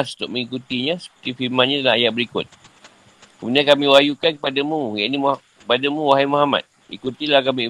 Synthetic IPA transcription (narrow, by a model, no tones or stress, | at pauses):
su̥t̪ʊʔ̚mə̃ŋikut̪iɲãsə̥pə̥t̪ifiɾmãnɲadalaajaʔ̚bəɾikʊ̰t̪̚ | kəmudiankamĩwajukankəpadamũjaʔinimkəpadamũwaɦajmaɦama̰t̪̚ | ḭkut̪ilahkami